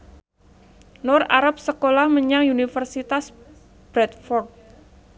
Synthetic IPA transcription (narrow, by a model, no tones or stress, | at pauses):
nɔrt̪aɾap̚səkolahməɲaŋunifərsit̪as | b̥ɾɛt̪̚fɔrk̚